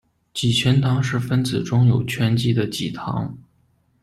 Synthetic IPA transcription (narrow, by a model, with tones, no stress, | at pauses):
t͡ɕi˨˩t͡ɕʰɥɛ˧˥nt̪ʰɑ˧˥ŋʂɻ̩˥˩fə˥nt͡sɹ̩˨˩ʈ͡ʂʊ˥ŋjo˨˩ʊt͡ɕʰɥɛ˥nt͡ɕi˥d̪ə˨t͡ɕi˨˩t̪ʰɑ̰˧˥ŋ